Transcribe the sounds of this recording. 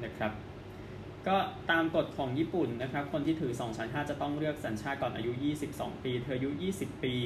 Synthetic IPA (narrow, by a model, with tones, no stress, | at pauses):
na˥˩kʰɾa˦˥p̚ | kɔː˥˩t̪aː˧mko˨˩t̪̚kʰɔː˩˦ŋjiː˥˩pu˨˩nːa˦˥kʰa˦˥p̚kʰo˧nt̪ʰiː˥˩t̪ʰɯː˩˦sɔː˩˦ŋt͡ɕʰa˦˥nɦaː˥˩t̪̚t͡ɕa˨˩t̪ɔ˥˩ŋɾɯ˥˩ək̚saː˩˦nt͡ɕʰaː˥˩kɔː˨˩nʔa̰ː˧ju˦˥jiː˥˩si˨˩p̚sɔ̰ː˩˦ŋpiː˧t̪ʰɤː˧ʔju˦˥jiː˥˩si˨˩pːiː˧